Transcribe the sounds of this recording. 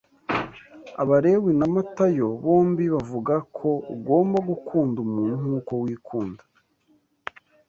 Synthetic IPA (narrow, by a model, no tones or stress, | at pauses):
a̰βaɾe̞winamatajo̞βo̞ːmbiβavuɡakʰo̞ɡo̞ːmbaɡukʰuːndumuːn̥huːko̞wiːkʰuːndḁ